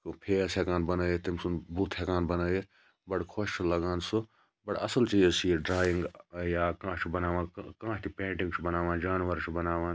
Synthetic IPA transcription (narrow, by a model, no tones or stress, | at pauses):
pʰeːsekaːnbɐnɐːet̪imsunbuːt̪ʰhekãːnbɐnəːje | bɐɽkʰoːʃt͡ʃulɐɡaːnsu | bɐʈɐ̰sɐlt͡ʃiːzsiːɖɾaːjiŋɡjaːkãːt͡ʃʰubɐnaːʋãːkãːʃt̪ʰipẽːɳʈĩŋɡt͡ʃʰubɐnaːʋãːnd͡ʒaːnʋɐɾt͡ʃʰubɐnaːʋãːn